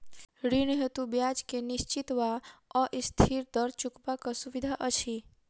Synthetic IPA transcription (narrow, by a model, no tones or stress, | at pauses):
ɾiñɦet̪ubjad͡ʒkeniʃt͡ʃit̪ʋaɔʔist̪ʰiɾd̪əɾt͡ʃukbakasuʋid̪ʱaʔət͡ʃʰi